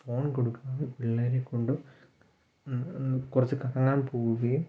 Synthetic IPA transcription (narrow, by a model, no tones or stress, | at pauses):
fo̞ːɳkoɽukːaːʋipiɭːɐːɾekːoɳɖɨ | kurɐt͡ɕːɨkɐɽɐŋːaːnpuːɻuʋɐjum